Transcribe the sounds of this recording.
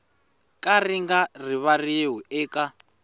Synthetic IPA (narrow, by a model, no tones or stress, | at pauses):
kʼariŋɡariβarieɦuɛːkʼa